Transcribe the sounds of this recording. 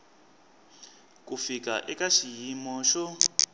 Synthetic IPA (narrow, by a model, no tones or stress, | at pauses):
kufik̬ʼaʔɛkaʃijimɔʃɔ